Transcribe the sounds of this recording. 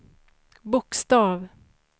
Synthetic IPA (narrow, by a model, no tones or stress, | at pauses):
bʊkst̪ɑːv